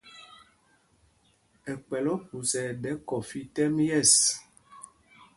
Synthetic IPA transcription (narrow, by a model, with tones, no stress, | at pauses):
ɛ˨k͡pɛ˨lɔ˦pu˨sɛ˨dɛ˨˦kɔ˨fi˦tɛ˦mjɛ˦˨s